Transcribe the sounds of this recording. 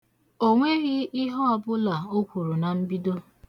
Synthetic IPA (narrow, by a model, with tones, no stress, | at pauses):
o˦ŋʷe˦ɣɪ˦ɪ˦ɦɔ˦ɔ˦bʊ˦la˨o˦kʷu˨ɾu˨na˨m̩˦bi˦do˦